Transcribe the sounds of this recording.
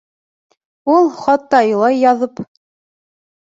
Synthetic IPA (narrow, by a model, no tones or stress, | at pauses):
ulˠχɑt̪ːɑɤ̆lˠɑjːɑðɤp